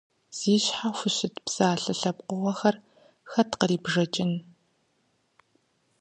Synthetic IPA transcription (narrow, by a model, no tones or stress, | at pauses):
z̥iːɕħafʷʊʃɪtpsaːɬɨɬɐp̚qʷʊʁɐxɐr | xɐtqəriːbʐɐt͡ʃʼɪn